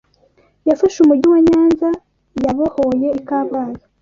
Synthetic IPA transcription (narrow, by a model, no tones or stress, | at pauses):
jafaʃumuɾɟiwaɲaːnza | jaβahoje̞ikaːβaːzḁ